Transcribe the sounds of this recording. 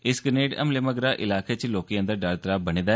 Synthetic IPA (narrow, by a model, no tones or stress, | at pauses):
ɪskəneːɖə̰mlɪməɡɾaːʔɪlaːkʰeːt͡ʃloːkijãːd̪aːɖaɾt̪ɾaːbəniːd̪aː